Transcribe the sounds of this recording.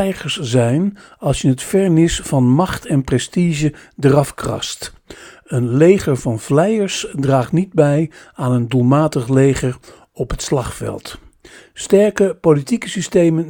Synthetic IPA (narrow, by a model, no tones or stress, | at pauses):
ɛjχəɹszɛjnɑlˠsjəɦətfɛɹnɪsfɑnmɑχtʰɛnprɛstiʒədərɑfkrɑ̰st | ənlejχəɹvɑnvlɛjəɹsdraːχtnid̚bɛjaːnəndulˠmaːtəχlejχəɹ | ɔpɦətslɑχfɛ̰lˠt | stɛɹkəpolitikəsistejmən